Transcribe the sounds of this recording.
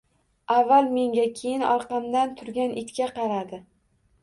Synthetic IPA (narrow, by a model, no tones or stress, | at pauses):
avːalˠme̞ŋɡʲakʲʰe̞jɪnɒ̰ɾqɑmd̪ant̪ʰʊɾɡʲanʔɪt̪kʲaqɑɾad̪ɪ